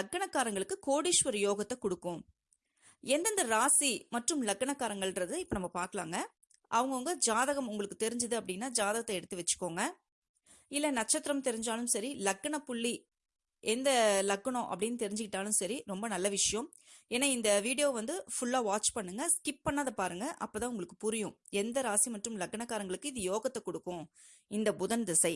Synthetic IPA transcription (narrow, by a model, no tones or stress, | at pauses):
lɐkːɐɳɐkːaːɾɐŋɡɐɭɯkːɯkoːɽiʂʋɐɾɯjoːɣɐt̪ːɐkɔɽɯkːʊ̃ | ɛnd̪ɐnd̪ɐɾaːsimɐʈrɯmlɐkːɐɳɐkːaːɾɐŋɡɐɭrɐðɯɪpːonɐmːɐpaːɾkɐɭa̰ːŋɡɐ | ʔɐʋɐŋɡɐʊŋɡɐd͡ʒaːðɐɣɐmʊŋɡɐɭɯkːɯt̪ɛɾɪɲd͡ʒɯðɯɐpːɐɽɪnːaːd͡ʒaːðɐɣɐt̪ːɐɛɽɯt̪ːɯʋɐt͡ʃːɯ̥kːoːŋɡɐ | ɪlːɐnɐʈt͡ʃːɐt̪ːɪɾɐmt̪ɛɾɪɲd͡ʒaːlɯmsɐɾilɐkːɐɳɐpʊɭːi | ʔɛnd̪ɐlɐkːɐɳʊ̃ʔɐpːɐɽɪnːɯt̪ɛɾɪɲd͡ʒɯkːɪʈːaːlɯmsɐɾiɾɔmbɐnɐlːɐʋɪʂɐjɐ̃m | eːnːaːɪnd̪ɐʋiːɽɪjoːʋɐnd̪ɯfʊɭːaːʋaːt͡ʃpɐɳːɯŋɡɐskɪp̚pɐnːaːðɐpaːɾɯŋɡɐʔɐpːoːt̪ãːʊŋɡɐɭɯkːɯ̥pʊɾɪjʊ̃ɛnd̪ɐɾaːsimɐʈːrɯmlɐkːɐɳɐkːaːɾɐŋɡɐɭɯkːɯɪðɯjoːɣɐt̪ːɐkɔɽɯkːʊ̃ | ɪnd̪ɐbʊðɐnd̪ɐsɐɪ